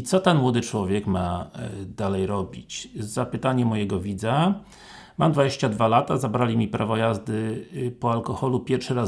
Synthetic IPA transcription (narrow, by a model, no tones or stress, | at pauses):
it̪sɔt̪ɛnmwɔd̪ɘt͡ʂwɔvʲjɛkmad̪alɛjɾɔbʲit͡ɕzapɘt̪aɲɛmɔjɛɡɔvʲid̪za | mamd̪vad͡ʑeɕt͡ɕad̪valat̪azabɾalʲimʲipɾʔavɔjazd̪ɘpɔalkɔxɔlupʲjɛɾfʂɘɾa